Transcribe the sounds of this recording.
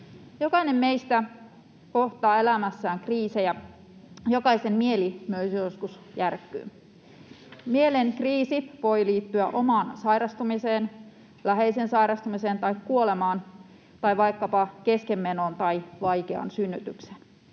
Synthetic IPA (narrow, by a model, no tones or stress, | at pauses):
jo̞kɑine̞mmeist̪æ | ko̞ht̪ɑːe̞læmæsːæːŋkriːsejæ | jokɑisemːmielimyøsjoskus | jærkːˑy̰ːn | mielenkriːsiʋo̞jliːt̪ːyæʔo̞mɑːnsɑjɾɑst̪umiseːn | læɦeisensɑjɾɑst̪umise̞ːnt̪ɑikːuole̞mɑːn | t̪ɑiʋɑjkːɑpɑke̞skemːenont̪ɑjʋɑjkeɑ̰nsynːyt̪ykse̥n